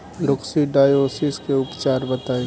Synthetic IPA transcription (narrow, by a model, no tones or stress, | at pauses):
lʊksiɖaːjoːsiskeʊpt͡ʃaːɾbət̪aːi